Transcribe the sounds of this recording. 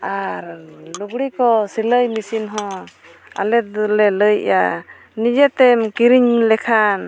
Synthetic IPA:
aɾluɡɽikɔsiləjmisinɦɔ̃ | a̰lɛt̪lɛləjʔja | nid͡ʒɛt̪ɛmkiɾiɲlɛkʰan

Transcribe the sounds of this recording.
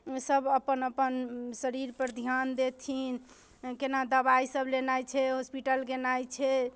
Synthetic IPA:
səbʱəpənəpənsəɾiɾpəɾd̪ʱjand̪et̪ʰin | kenad̪əbaisəblenajt͡ʃʰɛɦospiʈəlkenajt͡ʃʰɛ

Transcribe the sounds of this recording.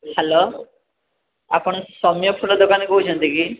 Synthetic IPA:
alɔ | a̰pɔɳsɔmjɔpʰuʈɔd̪okankɔɦut͡ɕʰʌnt̪iki

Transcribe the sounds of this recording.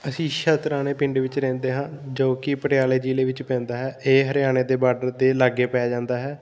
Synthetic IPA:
əsĩːʃət̪ɾãːneːpɪɳɖʋɪt͡ʃɾɛ̃ːnd̪eːɦãːd͡ʒoːkɪpəʈɪjaːleːd͡ʒiːleːʋɪt͡ʃpɛ̃ːnd̪aːɦɛːeːɦəɾɪjaːneːd̪eːbaːɖəɾd̪eːlaɡeːpɛːɛːd͡ʒãːnd̪aːɦɛː

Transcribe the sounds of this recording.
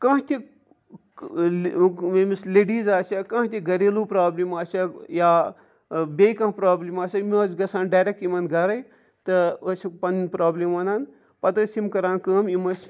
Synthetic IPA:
kɐ̃ɦt̪ʲi | imisleːɖiːzaːsʲɐkãːɦt̪ʲiɡɐɾeːluːpɾaːblimaːsʲɐjaː | bʲekɐ̃ɦpɾaːblimaːsʲɐmʲɐsɡɐsãːnɖaːɾʲek̚ʈimɐnɡɐɾɐj | t̪ɨəsipɐnpɾaːblimɐnaːn | pɐt̪əsimkɐɾaːnkəːmimɐsʲ

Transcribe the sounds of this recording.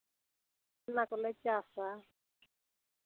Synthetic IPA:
nakʊlɛt͡ʃʼasa

